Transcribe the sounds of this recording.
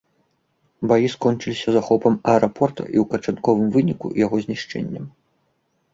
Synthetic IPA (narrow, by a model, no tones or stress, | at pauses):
bajiskɔnt͡ʂɨlʲisʲɐzaxɔpɐmɐɛɾapʰɔrt̪ɐ̰ʔiwkɐt͡ʂankɔvɨmvɨnʲikṵjaɣɔzʲnʲiʂt͡ʂɛ̰nʲːɐm